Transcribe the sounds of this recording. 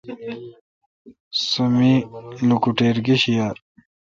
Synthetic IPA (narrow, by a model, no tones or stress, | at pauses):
sumilukuʈeːɾɡiɕija